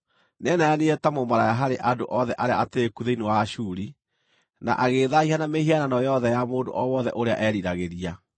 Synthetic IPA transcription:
nɛnajaneɛtamomaɾajaɦaɾeʔadoʔɔðɛʔaɾeaateekuðeinewaʃuːɾi | na̰ʔaɣeðaihanamehiananɔjɔðɛjamoːndo̰ʔɔwɔðɛʔoɾea̰ʔɛɾiɾaɣeɾia

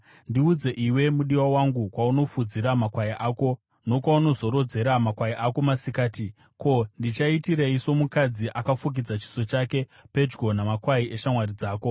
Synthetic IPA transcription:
ndiud͡ze̞ʔiwe̞muɗiwawaŋɡukwauno̞fud͡ziɾamakwajiʔaːko̞ | no̞kwauno̞zo̞ɾod͡ze̞ɾamakwajiʔako̞masikaːti | ko̞ndit͡ʃaitiɾeiso̞mukad͡ziʔakafuk̬id͡zat͡ʃi̥so̞t͡ʃake̞pe̞d͡ʒɡo̞namakwaiʔe̞ʃamwaɾid͡zaːko̞

